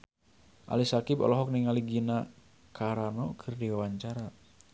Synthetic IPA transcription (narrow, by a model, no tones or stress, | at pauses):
ʔa̰lisakibɔ̰lɔɦɔk̚niŋaliɡina | kʰaɾanɔkʰɨrdiwawaɲt͡ʃaɾa